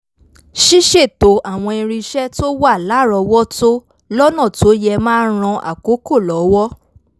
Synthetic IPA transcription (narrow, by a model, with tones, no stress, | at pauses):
ʃi˦ʃe˦˨to˨˦ʔa˨w̃ɔ̃˧i˧ɾ̃ĩ˧ʃɛ˦to˦wa˦˨la˨˦˨ɾɔ˧wɔ˦to˦ | lɔ˦nã˦˨to˨˦jɛ˧mãː˦n˦ɾ̃ɔ̃˧ʔa̰˨ko˨˦ko˦˨lɔ˨˦wɔ˦